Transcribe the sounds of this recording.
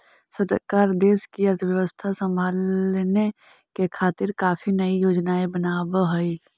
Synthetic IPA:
səɾkaːɾd̪eːskiəɾt̪ʰʋjəʋəst̪ʰasə̃mbʱaːlne | kekʰaːt̪ɪɾkaːpʰinəijoːd͡ʒnaːebənaːbɦəi

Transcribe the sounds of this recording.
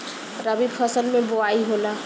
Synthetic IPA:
ɾəbibpʰəsəlmẽboaiɦola

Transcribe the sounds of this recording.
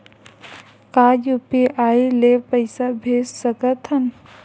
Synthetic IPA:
kaːjupiʔaːileːpɐɪsabʱeːssɐkɐt̪ʰɐn

